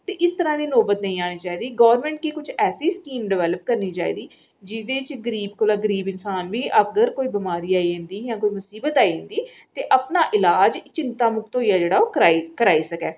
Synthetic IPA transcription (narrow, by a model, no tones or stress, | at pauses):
t̪eːʔɪst̪əɾãːd̪iːloːbət̪nəĩːaːniːt͡ʃaːiːd̪iːɡɔːʋəɾmɛ̃ːɳʈ̚kiːkʊt͡ʃʰɛːsiːskiːmɖɪʋɛːləp̚kəɾniːt͡ʃa̰ːḭːd̪iː | d͡ʒɪd̪eːt͡ʃɡəɾiːbkolaːɡəɾiːbɪnsaːnʋiːʔəɡəɾkoːiːbɪmaːɾiːaːiːɦẽnd̪iːjãːkoːiːmʊsiːbət̪aːiːɦɪ̃nd̪iː | t̪eːʔəpnaːʔɪlaːd͡ʒt͡ʃɪ̃nt̪aːmʊk̚t̪ɦoːiːaːd͡ʒeːɽaːoːkəɾaːikəɾaːiːsəkɛː